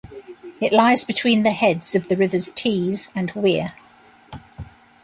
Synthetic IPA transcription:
ɪʔlaɪzbɪtʰw̥ĩːnðəhɛdz̥əvðəɹɪvəz̥tʰiːzə̃nwɪə

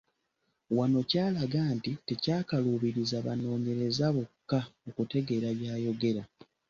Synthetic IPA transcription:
wano̞caːlaɡaːntite̞caːkaluːβiɾizaβa̰no̞ːɲe̞ɾe̞zaβokːaokute̞ɡe̞ɾajaːjo̞ɡe̞ɾa

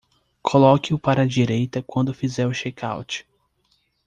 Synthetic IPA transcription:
kʰolɔkɪʊpaɾɐd͡ʒiɾejt̪ɐkwɐ̃nd̪ʊfizɛɾʊʃɛka̰wt͡ʃɪ̥

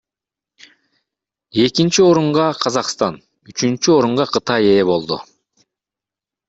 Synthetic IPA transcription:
e̞kint͡ʃio̞ɾuɴʁɑqʰɑzɑqst̪ɑn | yt͡ʃynt͡ʃyo̞ɾuɴʁɑqʰɯt̪ɑje̞ːbo̞lˠd̪ṵ

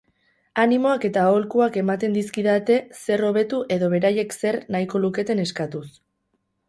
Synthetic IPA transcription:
animo̞ake̞t̪ao̞lkuake̞mat̪e̞nd̪iskiðat̪e̞se̞ro̞β̞e̞t̪uʔe̞ðo̞β̞e̞ɾaje̞kse̞rnaiko̞luke̞t̪e̞ne̞skat̪us

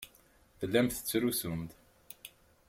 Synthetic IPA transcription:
θəlːæmθə̥t͡sːɾusumd̪

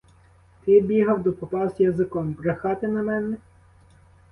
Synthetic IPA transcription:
t̪ɪbʲiɦɐwd̪ɔpɔpɑzjɐzɪkɔmbɾɐxɑt̪ɪnɐmɛnɛ

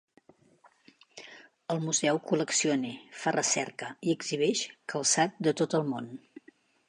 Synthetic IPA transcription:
əlˠmuzɛwkuləksionifarʔəsɛ̰rkəiəɡziβ̞ɛʃkʰəlˠsat̪̚d̪ət̪ot̪əlˠmon

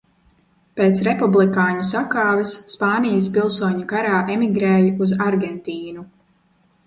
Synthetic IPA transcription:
peːt̪sɾepublˠikaːɲusakaːvɛsːpaːnijas̬pilˠsuɔɲukaɾaːʔemiɡɾɛːjuzaɾɡɛnt̪iːnu

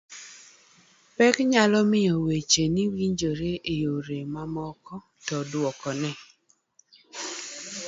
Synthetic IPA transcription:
pɛkɲalɔmɪɔwet͡ʃeniwiɲd͡ʒoɾeejoɾemamɔkɔ | tɔdwɔkɔnɛ

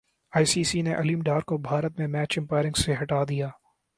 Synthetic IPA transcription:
aːisiːsineʔɐliːmɖaːɾkobʱaːɾət̪mẽmɛːt͡ʃɪ̃mpaːɪɾɪ̃ŋɡseɦɐʈaːd̪ijaː

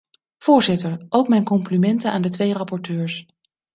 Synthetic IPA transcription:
v̥ʊːɹzɪtəɹʔowkmɛjnkɔmplimɛntəna̰ːndətʋejrɑpɔɹtøːɹs

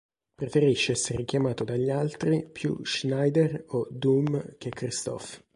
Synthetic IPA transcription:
pɾefeɾiʃːeɛsːeɾek̟jamaːt̪od̪aʎːialt̪ɾipjṵʒnajd̪erod̪umk̟ekːɾist̪ɔ̰f

